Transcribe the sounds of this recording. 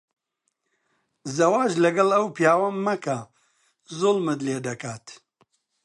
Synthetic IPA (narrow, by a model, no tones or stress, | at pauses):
zɐwaːʒlɐɡɐlɐwpjaːwɐmːɐkɐ | zʊlˠmɨd̪leːd̪ɐkaːt̪